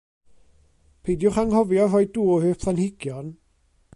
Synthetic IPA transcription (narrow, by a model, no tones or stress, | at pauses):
pʰejdjʊχaŋhɔvjɔrɔjdduːɔhøːpʰθanhɪɡ̥jɔn